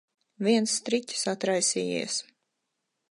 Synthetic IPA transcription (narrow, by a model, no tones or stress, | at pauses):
viɛnsːt̪ɾit̪ʲi̥sat̪ɾajsiːjḭɛs